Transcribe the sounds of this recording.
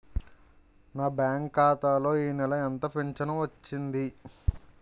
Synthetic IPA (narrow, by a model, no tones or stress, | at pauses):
naːbjaːŋkːaːt̪aːlo̞ːiːnɛlɐɛnt̪ɐpeɲt͡ʃɐnɐʋɐt͡ʃːind̪i